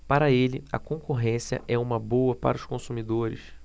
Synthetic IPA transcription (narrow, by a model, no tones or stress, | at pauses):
paɾɐelɪɐ̰kõkoɦẽsiɐ̰ʔɛũmɐbowɐpa̰ɾɐʊʃkõsumid̪oɾɪ̰s